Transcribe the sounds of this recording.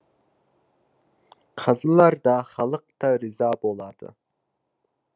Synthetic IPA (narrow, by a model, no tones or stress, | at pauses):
qʰɑzɨlˠɑɾd̪ɑχɑlˠəq̚t̪ɑɾɪzɑːbolˠɑd̪̥ɨ̰